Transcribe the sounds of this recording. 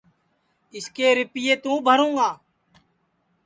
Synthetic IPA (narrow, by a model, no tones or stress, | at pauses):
ɪskeːɾɪpɪjeːt̪ũːbʱəɾũːŋɡaː